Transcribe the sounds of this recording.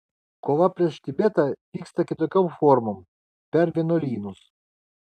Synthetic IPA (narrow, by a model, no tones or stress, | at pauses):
koːʋɐpʲɾʲiɛʃt̪ʲɪbʲet̪ɐʋʲiːkst̪ɐkʲɪt̪oːkʲɔmfɔɾmom | pʲɛɾʋʲiɛnolʲiːnʊs